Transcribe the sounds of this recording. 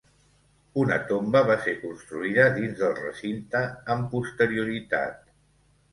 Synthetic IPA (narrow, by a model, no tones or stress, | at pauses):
unə̰t̪ombəβaseɾkunst̪ɾuiðəðinzðəlˠrə̰sint̪əːmpust̪əɾiuɾit̪a̰t̪̚